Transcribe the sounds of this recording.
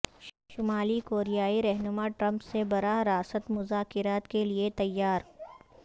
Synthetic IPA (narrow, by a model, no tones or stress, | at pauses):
ʃʊmaːlikoːɾijaːiɾɛɦnʊmaʈɾɐ̃mpsebɐɾaɾaːsət̪mʊzaːkɪɾaːt̪keliet̪ɐjːaːɾ